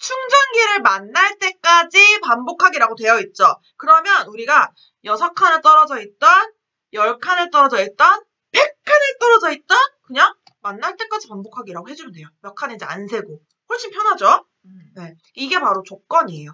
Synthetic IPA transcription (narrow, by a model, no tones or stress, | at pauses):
t͡ɕʰuŋd͡ʑaŋɡiɾɯɭmanːaɭt͈e̞k͈ad͡ʑipambokʰaɡiɾaɡotwe̞jʌit̚t͡ɕ͈ʌ | kɯɾʌmjʌnuɾiɡa | jʌsʰakʰanɯɭt͈ʌɾʌd͡ʑʌit̚t͈ʌn | jʌɭkʰanɯɭt͈ʌɾʌd͡ʑʌit̚t͈ʌn | pe̞kkʰːɯnɯɭt͈ʌɾʌd͡ʑʌit̚t͈ʌnkɯɲaŋ | manːaɭt͈e̞k͈ad͡ʑipambokʰaɡiɾaɡoɦe̞d͡ʑumɯnde̞jojʌkʰaned͡ʑia̰nsʰe̞ɡo | hoɭɕ͈impʰjʌnad͡ʑo | ne̞ | iɡe̞paɾot͡ɕok͈ʌɲijo